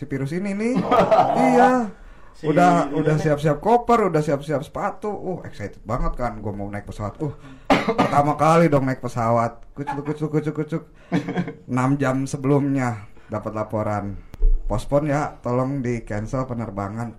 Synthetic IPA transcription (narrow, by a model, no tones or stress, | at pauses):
sipiɾʊsinini | ija | udahudahsiap̚siap̚kopərudahsiapsiap̚sə̥pat̪uːhɛ̰ksait̪ə̥t̪̚baŋət̪̚kanɡuɛmaunaɪk̚pəsawat̪̚ʊh | pərt̪amakalidɔŋnaik̚pəsawat̪̚kut͡ʃʊkːut͡ʃʊkːut͡ʃʊkːut͡ʃʊk̚ | ənamd͡ʒamsəbəlumɲa | dapət̪̚lapoɾanpɔspɔnjat̪olɔŋdikɛnsəlpənərba̰ŋan